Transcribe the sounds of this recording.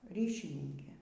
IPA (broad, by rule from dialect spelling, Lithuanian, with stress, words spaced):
ˈrʲiːʃʲɪnʲɪŋʲkʲeː